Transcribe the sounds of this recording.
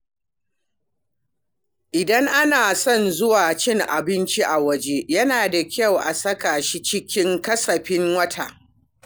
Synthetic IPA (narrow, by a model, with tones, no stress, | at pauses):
ʔɪ˨dɐ˦ŋʔa˦naː˨sɔ˦˨nzʊ˦waː˨t͡ʃɪ˦ŋʔa̰˨bɪ˦nt͡ʃi˦ʔa˨wɐ˦d͡ʒe˦jɐ˦naː˨da˨kʲɐ˦˨wʔa̰˨sɐ˦ka˨ʃi˦t͡ʃɪ˦kʲɪ˦ŋkɐ˦sɐ˨ɸɪ˦ŋwɐ˦tʰa˨ʔ